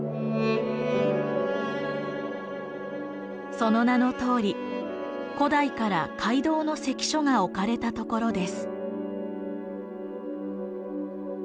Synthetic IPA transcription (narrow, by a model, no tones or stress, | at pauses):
so̞no̞nano̞t̪o̞ːɾʲi | ko̞d̪aikaɾakʰaid̪o̞ːno̞se̞kʲi̥ɕo̞ŋao̞kaɾe̞t̪at̪o̞ko̞ɾo̞d̪e̞sɨ̥